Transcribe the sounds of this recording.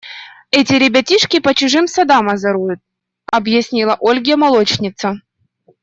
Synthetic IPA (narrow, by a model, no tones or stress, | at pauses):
ɛtʲɪɾʲɪbʲɐtʲiʂkʲɪpət͡ɕʊʐɨmsɐd̪amɐzɐɾujʊt̪̚ | ɐbjɪsʲnʲilˠɐʔolʲɡʲɪjəmɐlˠot͡ɕnʲɪt̪sə